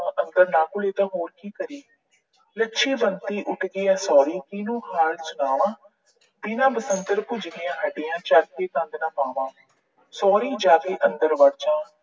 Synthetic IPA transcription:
ʔə̃nd̪əɾnaːkʊleːt̪ãːɦoːɾkiːkəɾiː | lətːʃʰiːbənt̪iːʔʊʈɡɪjãːsɔːɾiːkiːnũːhaːlsʊnaːʋãː | bɪnãːbəsənt̪əɾpʊd͡ʒɡɪjãːɦəɖɪjãːt͡ʃəɾkeːk̪ãnd̪nãːpaːʋãː | sɔːɾĩːd͡ʒaːkeːʔənd̪əɾʋəɽd͡ʒãː

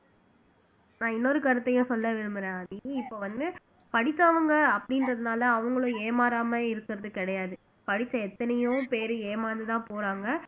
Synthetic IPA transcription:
nãːɪnːɔɾɯkɐɾɯt̪ːɐjɐ̃ːsɔlːɐʋɪɾɯmbɾẽɐðiɪpːoːʋɐnd̪ɯ | pɐɽɪt͡ʃːaːʋɐŋɡɐɐpːɐɽɪnɾɐðɯnaːlɐːʋɐŋɡɐɭõːeːmaːɾaːmɐɪɾɯkːɪɾɐðɯkɪɽɐjaːðɯ | pɐɽɪt͡ʃːɐɛt̪ːɐnɐjõːpeːɾɯeːmaːnd̪ɯt̪ãːpoːɾaːŋɡɐ

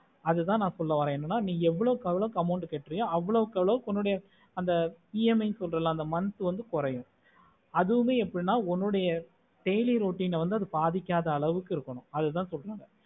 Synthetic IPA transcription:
ɐðɯt̪ãːnãːsɔlːɐʋaːɾẽeːnːɐnːaːnĩːɛʋːɐɭɐʋɯkɐʋɭɐʋkɐmɐːɳɖɯkeːʈːɾɯjõɐʋːɐɭɐʋɯkːʋɐɭɐʋkɔnːɔɽɐjɐ | ɐnd̪ɐpiːɛmɐɪnsɔlɾɐlãːɐnd̪ɐmɐnɐt̪ːɯʋɐnd̪ɯkʊɾɐjʊ̃ | ɐðɯʋɯmeːɛpːɐɽinaːɔnːɔɽɐjɐ | ʈeːliɾoːʈːiːnɐʋɐnd̪ɯɐðɯbaːðɪkʲːaːðɐːɭɐʋɯkːɯɪɾɯkːɐɳʊ̃ɐðɯt̪ãːsɔlɾaːŋɡɐ

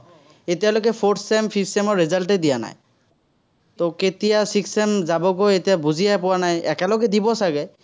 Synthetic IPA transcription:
et̪ijalokɛpʰoʈʰsɛmpʰipʰsemɔɹːizalʈɛd̪ijana̰j | t̪oket̪ijasiksemzabɔkoet̪ijabuzijapɔwanajɛkɛlɔɡɛd̪ibɔsaɡɛ

